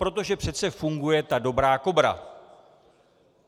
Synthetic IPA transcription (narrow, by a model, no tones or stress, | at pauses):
pɾo̞t̪o̞ʒɛpr̝̥ɛt̪t͡sɛfuŋɡujɛt̪ado̞bɾaːko̞bɾa̰